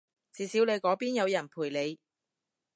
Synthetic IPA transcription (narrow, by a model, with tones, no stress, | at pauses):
t͡siː˨˧siː˨˥wle˨˧jkɔː˨˥piː˥njɐ˨˧wjɐ˨˩npʰuː˨˩jle˨˧j